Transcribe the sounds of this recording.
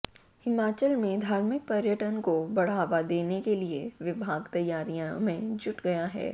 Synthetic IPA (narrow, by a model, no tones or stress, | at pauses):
hɪmaːt͡ʃəlmẽd̪ʱaːɾmɪk̚pɐɾjəʈənkobɐɽ̤aːʋad̪eːnekelieʋɪbʱaːɡt̪ɐjːaːɾijãmẽd͡ʒʊʈɡɐjaɦɛ̰ː